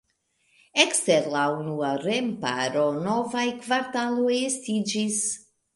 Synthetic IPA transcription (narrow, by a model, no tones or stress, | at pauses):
ɛkst̪ɛɾlaunuaɾempa̰ɾonɔvajkvaɾt̪alujest̪id͡ʒis